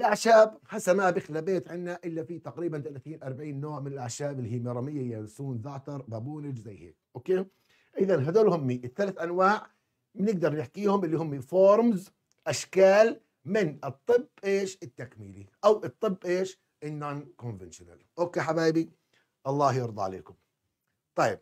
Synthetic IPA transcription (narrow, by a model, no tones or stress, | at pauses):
ʔɪlʔaʕʃaːbħasamaːbɪxlabeːt̪ʕɪnːaʔɪlːafit̪aqɾiːbant̪alaθiːnʔɑɾˤbaʕiːnːoːʕmɪnɪlʔaʕʃaːbɪlːihiːmɑɾˤɑmɪjːajalsuːnzaːt̪ɑɾˤbabuːnɪd͡ʒzajːhḛːk̚ʔokeː | ʔɪðanɦad̪oːlhʊmːiʔɪθːalaθʔanwaːʕ | mɪnɪɡd̪ɑɾˤnɪħkiːhʊmʔɪlːiɦʊmːifoːɾˤmz | ʔaʃkaːl | mɪnɨt̪ˤːɨbːʔeːʃɪt̪ːakmḭːlḭʔawʔɨt̪ˤːɨbːʔeːʃ | ʔɪnːoːnkʊnvɪnʃʊna̰lʔoːkeːħabaːbi | ʔɑlˤːɑːhjɑɾd̪ˤɑ̰ʕa̰lḛːkʊm | t̪ˤɑjːɪb̚